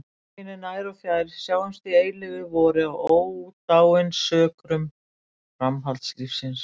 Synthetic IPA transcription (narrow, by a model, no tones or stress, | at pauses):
ɪnɪnaːjɾɔfjaːjɾsjaːwɪmst̪ɪeːjlɪɣɪvɔɾɪawoːwt̪aːwɪnsœːkɾʏm | fɾamɦalt̪slifsɪns